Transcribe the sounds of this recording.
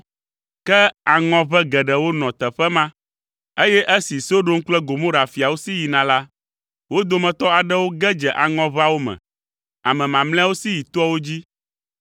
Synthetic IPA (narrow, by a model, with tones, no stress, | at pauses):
kɛ˦a˨ŋɔ̃˨βɛ˦ɡɛ˨ɖɛ˨wo˦nɔ̃˨t̪ɛ˨ɸɛ˦mã˦ | e˦jɛ˦ʔe˦si˨so˦ɖo˦ŋ̩˦k͡plɛ˦ɡo˨mõ˦ɖa˨fi˨a˨wo˦si˦ji˨nã˨la˦ | wo˦d̪o˦mɛ̃˨t̪ɔ˦a˨ɖɛ˦wo˦ɡɛ˦d͡ʒɛ˨ʔa˨ŋɔ̃˦βa˦wo˦mɛ̰̃˨ | a̰˨mɛ̃˨mã˨ml̃ɛ̃˦wo˦si˦ji˨t̪o˦ɔ˦wo˦d͡ʑi˦